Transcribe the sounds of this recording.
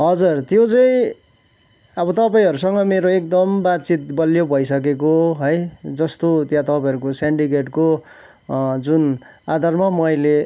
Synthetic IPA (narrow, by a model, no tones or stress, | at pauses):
ɦʌd͡zurt̪jot͡sʌĩ | ʌbʌt̪ʌpaĩɦʌɾusʌŋɡʌmeɾoek̚d̪ʌmbat̪̚t͡sit̪̚bʌljobʱʌjsʌk̬ekoɦʌjd͡zʌst̪ot̪jãt̪ʌpaĩɦʌɾukoseɳɖikeʈko | d͡zunad̪ʱarmamʌjle